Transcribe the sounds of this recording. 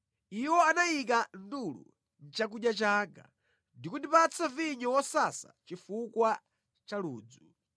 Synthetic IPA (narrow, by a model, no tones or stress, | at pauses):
iwɔanaik̬andulṵ | n̩t͡ʃak̬uɗjat͡ʃaɡa | ndikundipat͡sʰaviɲɔwɔsasa̰t͡ʃifukwa | t͡ʃaluːd͡zu